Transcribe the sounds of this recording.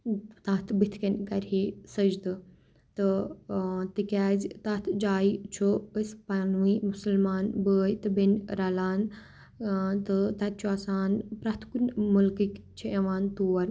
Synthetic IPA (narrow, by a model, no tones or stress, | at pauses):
t̪at̪ʰbit̪ʰkɐnkɐɾisɐd͡ʒd̪ɨ | t̪ɨ | t̪ikʲaːzt̪at̪ʰd͡ʒaːit͡ʃʰuəspanʋimusəlmaːnbəːjt̪ɨbenɾalaːn | t̪ɨt̪ɐt̪̚ʰt͡ʃʰuaːsaːnpɾat̪ʰkunmɐlkikt͡ʃʰieʋaːnt̪uːɐɾ